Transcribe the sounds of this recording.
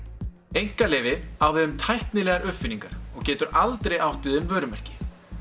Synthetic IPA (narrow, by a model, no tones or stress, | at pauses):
ejŋ̥kalɪːvɪawvɪðʏmt̪ʰajht̪nɪlɛːɣaɾʔʏhfɪniŋkaɾ̥ɔɣcɛːt̪ʏɾalt̪ɾejawht̪vɪðʏmvœːɾʏmɛr̥cɪ̥